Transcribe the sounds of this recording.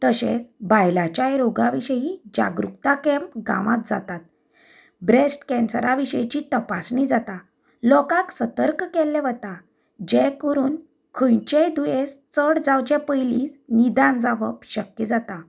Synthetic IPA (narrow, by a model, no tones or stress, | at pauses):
t̪əɕḛ̃t͡sbajlat͡ɕajɾoɡaʋiɕəɦid͡ʑa̰ɡɾukt̪akɛ̃mpɡa̰ʋat̪d͡za̰t̪at̪̚ | bɾesʈkɛ̃nsɾaʋiɕəjt͡ɕit̪əpasɳid͡zat̪a | lɔkãksət̪əɾkkɛlːɛʋət̪a | d͡ʑekəɾuːn | kʰəjt͡ɕed̪ujest͡səɽd͡zawt͡ɕepəjliːsnid̪and͡zaʋəpɕəkjəd͡zat̪a